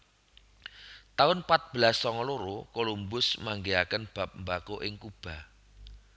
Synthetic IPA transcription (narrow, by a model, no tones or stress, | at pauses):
t̪aʊnpat̪̚b̥əlasːɔŋɔloɾokolumbʊsmaŋɡeakənb̥a̤p̚mbakoʔɪŋkub̥a̤